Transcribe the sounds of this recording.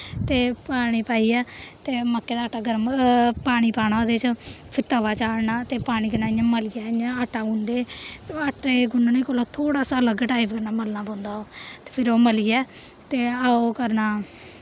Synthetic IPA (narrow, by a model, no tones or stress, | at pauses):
t̪eːpaːɽ̃iːpaːiːɛːt̪eːməkːeːd̪aːʈːaːɡəɾəmpaːɽ̃iːpaːɽaːoːd̪eːt͡ʃpʰɪɾt̪əʋaːt͡ʃaːɽnaːt̪eːpaːɽ̃iːkənaːɪjãːməliːaːɪjãːaʈʰːaːɡʊ̃nd̪eːaʈeːɡʊnːnĩːkoːloːt̪ʰoːɽaːsaːləɡʈaːipkəɾnaːməlnaːpɔ̃ːnd̪aːoːt̪e̥ːpʰɪɾoːməliɛː | t̪eːaːoːkəɾnaː